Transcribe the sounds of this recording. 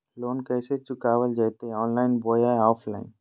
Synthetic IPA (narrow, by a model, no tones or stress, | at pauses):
loːnkəːset͡ʃʊkaːʋəld͡ʒaːjt̪eɔːnlaːɪnboːjaɔːpʰla̰ːɪn